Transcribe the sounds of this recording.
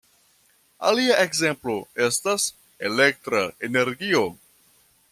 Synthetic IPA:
a̰liaʔe̞ɡze̞mplo̞e̞stas | e̞le̞k̚tɾaene̞ɾɡio̞

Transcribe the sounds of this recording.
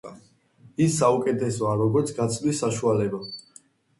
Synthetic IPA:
isːaukʼɛt̪ʰɛsɔaɾɔɡɔɾt̪sʰɡat̪sʰʼlisːaʃualɛba

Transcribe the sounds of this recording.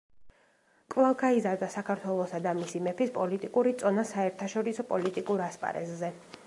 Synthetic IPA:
kʼvlˠavɡʰaizaɾd̪asakʰaɾt̪ʰwɛlˠɔsad̪amisimɛpʰispʼɔlit̪ʼikʼuɾit̪sʼɔnasaɛɾt̪ʰaʃɔɾisɔpʼɔlit̪ʼikʼuɾaspʼa̰ɾɛ̰zzɛ

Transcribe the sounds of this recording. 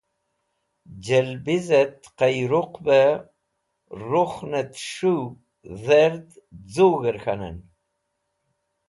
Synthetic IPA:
d͡ʒɛlbizət̪qajɾuqbə | ruχnət̪ʃu | ðɛɾd̪ | d͡zuɣəɾxanə̰n

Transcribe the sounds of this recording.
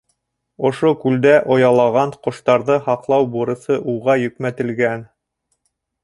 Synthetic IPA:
ŏʃokʉld̪æʔŏjɑlˠɑʁɑɴqŏʃt̪ɑɾðɤhɑqlˠɑwbuɾɤ̆sɤʔuʁɑjɵ̆kmæt̪ɘ̆lɡæn

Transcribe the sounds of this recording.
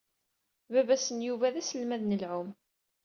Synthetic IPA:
vævæsənjuvæðæsəlmæðnəlʕʊm

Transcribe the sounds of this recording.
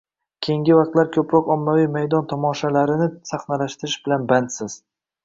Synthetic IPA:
kʲʰejŋɡʲɪvɑqt̪laɾkʲʰɵpɾɒkɒmːavijmajd̪ɒnt̪ʰɒmɒʃalaɾɪnɪsaχnalaʃt̪ɪɾɪʃbɪlanbant̪sɪz̥

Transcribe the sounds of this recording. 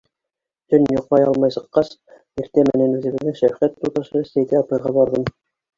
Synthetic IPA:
t̪ɵnjŭqmɑjɑlˠmɑjsɤ̆qːɑs | iɾt̪æmɘ̆nænʉðɘ̆βɘ̆ðːɘŋʃæfχæt̪ːut̪ɑʃɤɘ̆st̪æjt̪æɑpɑjʁɑbɑɾðɤm

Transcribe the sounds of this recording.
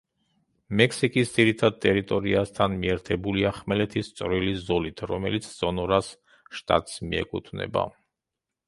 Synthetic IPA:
mɛkʰsikʼisd̪z̥iɾit̪ʰad̪̚t̪ʼɛɾit̪ʼɔɾiast̪ʰanmiɛɾt̪ʰɛbuliaχmɛlɛt̪ʰist̪sʼɾwilizɔlit̪ʰɾɔmɛlit̪sʰz̥ɔnɔɾas | ʃt̪ʼa̰t̪ʼsmḭɛ̰kʼut̪ʰvnɛ̰ba̰

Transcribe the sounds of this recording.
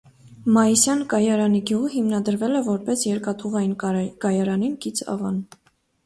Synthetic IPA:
mɑjisjɑnkɑjɑɾɑniɡʲjuʁəɦimnɑd̪əɾvɛlɛvɔɾpɛsjɛɾkɑt̪ʰuʁɑjinkɑjɑɾɑninkit͡sʰɑ̰vɑ̰n

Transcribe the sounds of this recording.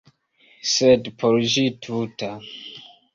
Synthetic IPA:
sɛdpʰɔɾʒitʰuta

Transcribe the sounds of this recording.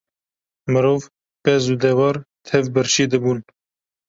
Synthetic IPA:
mɨɾoːv | pɛzud̪ɛwɑːɾt̪ʰɛvbəɾʃiːd̪ɨbuːn

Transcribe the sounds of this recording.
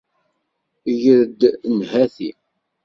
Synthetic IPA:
jəðd̪nhæθḭ

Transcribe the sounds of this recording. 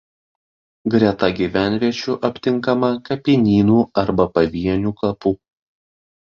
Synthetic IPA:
ɡɾʲɛt̪ɐɡʲiʋʲæˑnʲʋʲiɛt͡ʃʲuːʔɐpʲt̪ʲɪŋˑkɐmɐkɐpʲɪnʲiːnuːɐɾbɐpɐʋʲiɛnʲuːkɐpuː

